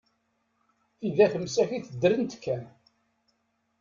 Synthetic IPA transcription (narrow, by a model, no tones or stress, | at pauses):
iðæçəmsæçiθəd̪ːɾənt̪kʰːæn